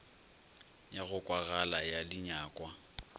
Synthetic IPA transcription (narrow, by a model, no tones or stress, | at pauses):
jaɣʊkʼwaɣalajalɪɲaːkʼwa